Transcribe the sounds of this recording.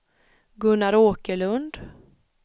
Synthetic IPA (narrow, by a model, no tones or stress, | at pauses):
ɡɵnːaɾoːkəɭɵnd̪